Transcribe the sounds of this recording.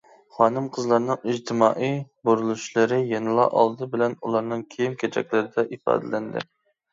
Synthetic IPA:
χɑːnɨmqʰəzlˠɑɾnɨŋid͡ʒt̪ʰɪmɑːʔijboɾulˠuʃlˠɨɾɪjenɨlˠɑ̰ʔɑ̰lˠd̪ɨbɪlɛnulˠɑɾnɨŋkʲʰejimkʲʰet͡ʃʰɛ̰kʲlɪɾɪd̪ɛʔifɑ̰ːd̪ɨlɛnd̪ɪ̰

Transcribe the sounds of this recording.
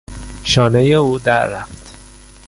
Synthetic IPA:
ʃɒːnejeuːd̪æɾːæft̪

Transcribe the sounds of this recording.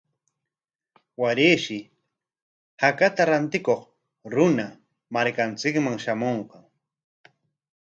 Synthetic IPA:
waɾeːʃɪ | hakat̪aɾant̪ɪkoχ | ɾʊna | maɾkant͡sɪkmaŋʃamoɴqɑŋ

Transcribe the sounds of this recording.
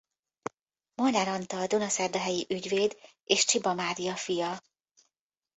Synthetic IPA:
monaɾɒnt̪ɒːd̪onɒsɛrd̪ɒɦɛjiʔyɟveːd̪ | eːʃt͡ʃibɒmaːɾijɒfijɒ

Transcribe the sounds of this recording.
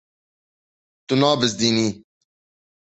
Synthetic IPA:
t̪unaːbɪz̬d̪iniː

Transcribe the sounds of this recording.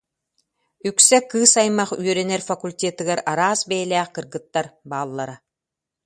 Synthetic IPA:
yksɛkɯːsajmaχy̰œɾɛnɛɾfakulʲt̪ʲet̪ɯɡɛɾaɾaːsbɛːlʲæːkɯɾɣɯt̪ːaɾbaːlˠːaɾa

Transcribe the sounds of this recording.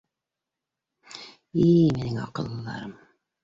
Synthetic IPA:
iminɘŋɑ̰qɤ̆lˠːɤlːˠɑ̰ɾɤm

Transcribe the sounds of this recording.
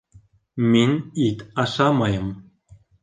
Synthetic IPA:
mʲenʲit̪ɑʃɑmɑjɤ̆m

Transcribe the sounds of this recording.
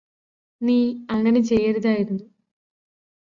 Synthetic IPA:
niːɐŋːɐne̞t͡ɕejɐɾiðaːjiɾunːu

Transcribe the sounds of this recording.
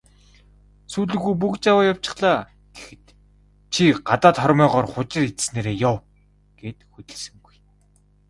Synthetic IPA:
suːɮɘ̆ɣujp̬ukt͡ɕawaːjaw̥t͡ɕɪ̥̆χɮaː | ɡ̥exɘ̆t̪ | t͡ɕʰiɢat̪aːt̪χɔɾʲmœːʁɔːrχʊt͡ɕɪ̆rit̪sneːɾeːjʊw | ɡ̥eːt̪xut̪ʲɘ̆ɮsɘ̆ŋɡuj

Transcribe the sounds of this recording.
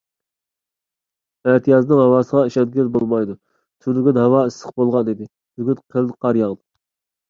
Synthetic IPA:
æt̪ʰijɑznɨŋhɑwɑːsəʁɑiʃɛd̪ɡʲilbolˠmɑjd̪u | t̪ʰylɪɡʲynhɑwɑisə̥qbolˠʁɑnid̪ɪ | zyɡʲynqʰəlˠnqʰɑɾjɑʁd̪

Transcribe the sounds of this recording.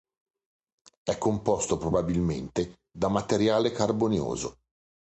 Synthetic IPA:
ɛkːompɔst̪opɾobabilment̪e | d̪amat̪eɾjaːlekarboneo̰ːzo̰

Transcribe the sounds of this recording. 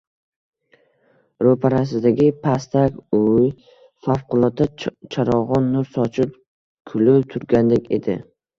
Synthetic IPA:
ɾopʰaɾasɪd̪aɡʲɪpʰast̪akʲʊj | fafqʊlˠɒt̪ʰːat͡ʃʰaɾɒʁɒnːʊɾsɒt͡ʃʰɪp̚ | kʰʊlɪt̪ʰʊɾɡʲand̪ekʲe̞̰d̪ɪ̰

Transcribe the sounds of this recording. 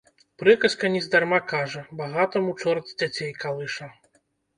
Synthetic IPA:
pɾɨkɐskɐnʲizd̪armakaʐɐbaɣat̪ɐmut͡ʂɔrt̪zʲd͡zʲat͡sʲejkalˠɨʂɐ

